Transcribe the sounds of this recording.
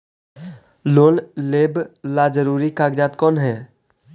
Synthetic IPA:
loːnleːblaːd͡ʒəɾuːɾikaːɡd͡ʒaːt̪kɔːnɦɛː

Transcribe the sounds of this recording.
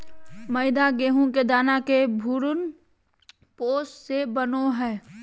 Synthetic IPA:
məɪd̪aɡeːɦõked̪aːnakebʱuɾʊn | poːssebənoɦɛː

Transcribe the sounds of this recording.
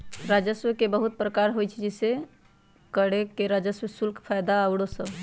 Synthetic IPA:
ɾad͡ʒəsʋəkebəɦut̪̚pɾəkaɾɦojt͡ʃʰd͡ʒɛse | kəɽekeɾad͡ʒəswəsulkʰpʰajd̪aəwɽosəb

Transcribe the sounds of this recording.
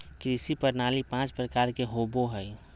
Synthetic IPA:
kɾisipəɾnaːlipãːt͡ʃpɾəkaːɾkeɦoboɦəj

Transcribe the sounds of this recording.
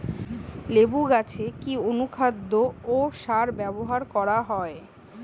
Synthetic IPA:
lebuɡat͡ɕʰekionukʰad̪ːooʃaɾbɛboɦaɾkɔɾaɦɔe

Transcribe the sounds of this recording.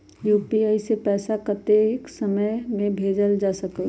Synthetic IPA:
juːpiaːisepɛːsakət̪eksəməjmẽbʱeːd͡ʒəld͡ʒaːsəkə

